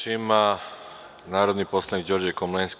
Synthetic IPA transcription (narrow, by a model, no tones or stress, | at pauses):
ima | naːɾo̞d̪nipo̞slˠanikd͡ʑo̞ɾd͡ʑekomlensk